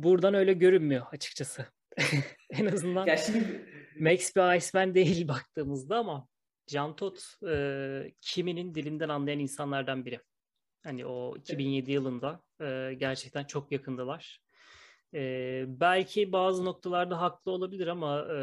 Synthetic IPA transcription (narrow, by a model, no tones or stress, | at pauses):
buɾd̪anø̞jlʲɛɟø̞ɾynmyjo̞at͡ʃʰɯ̥k̚t͡ʃʰasɯ | enazɯnd̪an | mɛcsbiajsmænd̪e̞jilʲbak̚t̪ʰɯːmɯzd̪aːma | d͡ʒant̪ʰot̪ɯcʰiminind̪ilʲind̪ænanlˠajaninsanlˠaɾd̪anbiɾɪ | hanḭʔo̞ḭcʰibinje̞d̪ijɯlˠɯnd̪a | ɯːɟæɾt͡ʃʰɛc̚t̪ʰænt͡ʃʰo̞kjakʰɯnlˠɯlˠaɾ̥ | ɛːbælʲcʰibaːzɯno̞k̚t̪ʰalˠaɾd̪aɦaklˠɯo̞lˠabilʲiɾama